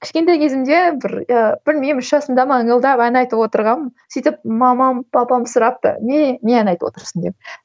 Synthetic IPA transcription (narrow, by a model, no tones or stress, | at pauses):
kʲʰɪ̥ʃkʲe̞nt̪ɑjkʲʰezɪmd̪ebɪɾb̥ɪlmejmɪʃʒɑsənd̪ɑmɑəɴəlˠd̪ɑpænɑjt̪əpwot̪əɾʁɑnsijt̪ɪp̚mɑmɑmpʰɑpɑmsʊɾɑp̚t̪ə̰nenʲeænɑjt̪əwo̰t̪əɾsənd̪ep̚